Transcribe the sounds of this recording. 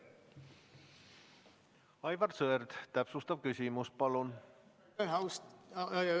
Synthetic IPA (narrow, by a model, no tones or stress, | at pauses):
ɑjvɑrsøerd̪t̪æpsust̪ɑvkysʲimuspɑlun | ɦɑwst